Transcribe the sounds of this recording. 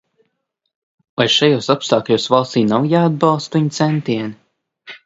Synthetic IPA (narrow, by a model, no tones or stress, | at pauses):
ajʃajoːsapst̪aːkʎʲoːsvalˠst̪iːnawjaːd̪̚bɑlˠst̪viɲt̪sɛnt̪iɛni